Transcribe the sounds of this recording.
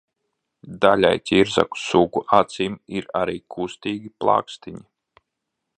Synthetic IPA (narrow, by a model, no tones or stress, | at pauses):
d̪alʲa̰jt̪ʲiɾza̰ku̥sukuʔat̪siːmiɾaɾiːkʰust̪iːɡʲiplˠa̰ːkst̪iɲi